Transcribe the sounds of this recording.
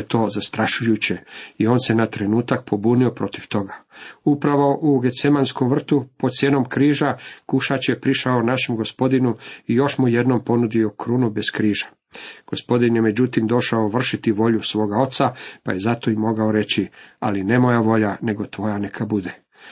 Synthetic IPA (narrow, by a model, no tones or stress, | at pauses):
t̪o̞ːzast̪ɾaʃujut͡ɕe̞io̞ːnse̞nat̪ɾe̞nuːt̪ak̚pʰo̞buːnio̞pɾo̞t̪iʋt̪o̞ɡaupɾaʋo̞ʔuɡet̪semanskomʋr̩t̪upod̪t̪sjeːno̞mkɾiːʒakuʃat͡ɕje̞pɾiʃaonaʃe̞mɡo̞spo̞d̪inuijo̞ʃmuje̞d̪no̞mpo̞nud̪io̞kɾunubeskɾiːʒḁ | ɡ̥o̞spo̞d̪injeme̞d͡ʑut̪imd̪o̞ʃaoʋr̩ʃit̪iʋo̞ʎusʋo̞ːɡao̞t̪sapa̰je̞zat̪o̞imo̞ɡaoɾe̞t͡ɕia̰line̞mo̞jaʋo̞ʎane̞ɡo̞t̪ʋo̞janekʰabud̪e